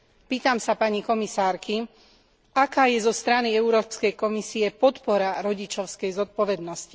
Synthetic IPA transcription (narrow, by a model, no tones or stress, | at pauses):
piːt̪amsapaɲikɔmisaːɾki | akaːjɛzɔst̪ɾaniɛuɾɔːpskɛjkɔmisiɛpɔt̪pɔɾaɾɔɟit͡ʃɔʊskɛjzɔt̪̚pɔʋɛd̪nɔsci̥